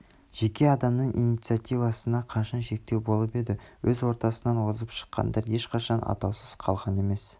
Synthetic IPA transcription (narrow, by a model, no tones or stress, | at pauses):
ʒ̥e̞kʲe̞ɑd̪ɑmnəɴʔḭjnijt̪sɨjat̪ijvɑsənɑqʰɑʃɑnʃe̞k̚t̪e̞wbo̞lˠəpe̞d̪ɪwɵzwo̞ɾt̪ɑsənɑnwozəpʃə̥qːɑ̰nd̪ɑɾje̞ʃqʰɑʃɑnʔɑ̰t̪ɑwsəz̥qʰɑlˠʁɑne̞me̞s